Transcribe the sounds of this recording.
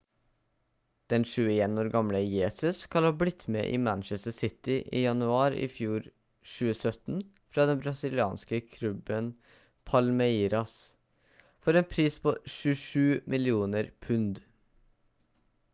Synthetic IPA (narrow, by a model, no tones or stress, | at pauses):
d̪̥ɛnʃʉːəeːnoːɾɡɑmləjeːsʉskʰɑlhɑːblɪt̪ːmɛ̰ːʔḭːmænt͡ʃɛst̪əsɪt̪ɪʔiːjɑnʉɑːɾɪ̰fjuːɾ | ʃʉːəsœt̪n̩ | fɾɑːd̪ɛnbɾɑsɪlɪɑ̰ːnskəkʰlʉbən | pʰɑlmɛiːɾɑs | fɔɾeːnpʰɾiːspʰoːʃʉːʂʉːmʔɪlɪuːnəɾpʰʉnd̪